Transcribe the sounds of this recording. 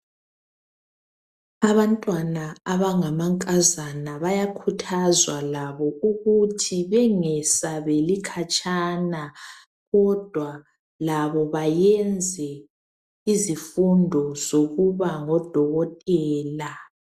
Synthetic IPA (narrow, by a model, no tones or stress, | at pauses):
aβantʼwanaaβaŋamaŋkʼazanaβajakʰutʰazwalaβɔuɣutʰiβɛŋɛsaβelikʰat͡ʃʼaːna | ɣɔd̥ʱwa | laβɔβajɛnd͡zʱɛ | izifundʱɔz̥oɣuβaŋɔd̥ʱɔɣɔtʼɛːla